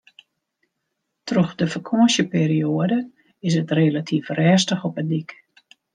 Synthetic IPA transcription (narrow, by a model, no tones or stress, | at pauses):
trɔxdəfəkʰoəsjəpeːɾioədə | ɪs̬ətrelatʰifrɛːstəxɔpədik